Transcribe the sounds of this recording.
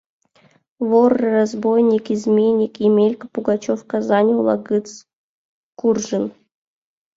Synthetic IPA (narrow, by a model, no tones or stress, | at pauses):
vorːɨrazbojnʲikizmʲenʲikimʲelʲkəpuɡat͡ɕofkazanʲulˠa̰ɡɨt͡s | kurʐɨn